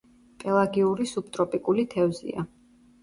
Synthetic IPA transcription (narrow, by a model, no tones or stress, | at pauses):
pʼɛlˠaɡiuɾisup̚t̪ʼɾɔpʼikʼulit̪ʰɛvzḭa̰